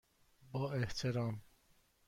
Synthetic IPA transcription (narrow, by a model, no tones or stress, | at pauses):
bɒːeht̪ʰeɾɒːm